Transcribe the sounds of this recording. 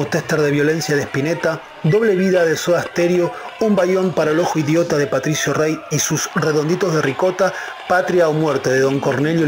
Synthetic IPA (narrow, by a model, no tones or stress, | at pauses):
ut̪est̪eɾðe̞βjo̞le̞nsjaðehpine̞t̪a | d̪o̞βle̞β̞iðaðe̞soðast̪e̞ɾjo̞umbajo̞mpaɾaelo̞xoiðjo̞t̪aðe̞pat̪ɾisjo̞rejisusre̞ðo̞nd̪it̪o̞zðe̞riko̞t̪a | pat̪ɾjaomweɾt̪e̞ðeðo̞ŋko̞ɾne̞ljo